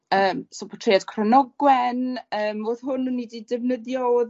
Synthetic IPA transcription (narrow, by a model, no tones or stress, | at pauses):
əːmsopʰɔ̥tʰrejad̥kʰrənɔɡwɛnəːmoːðhɦʊnənːididɪvnəðjɔð